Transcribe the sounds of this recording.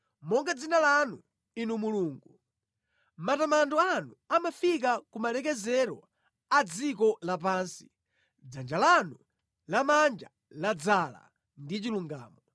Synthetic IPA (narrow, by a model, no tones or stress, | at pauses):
mɔŋɡad͡zinalanu | inumuluːŋɡu | matamandɔanuamafik̬akumalɛk̬ɛzɛɾɔ̰ | ad͡zik̬ɔlap̬aːnsi̥ | d͡zand͡ʒalanu | lamand͡ʒa | lad͡zala̰ | ndit͡ʃiluŋɡa̰ːmɔ